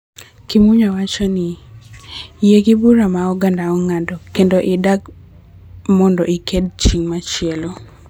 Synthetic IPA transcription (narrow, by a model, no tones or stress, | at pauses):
kimuɲawat͡ʃɔnɪ | jeɡibuɾamaɔɡandaɔŋadɔkendoʔɪdaɡ | mɔndɔiked̚t͡ʃiŋmat͡ʃɪɛlo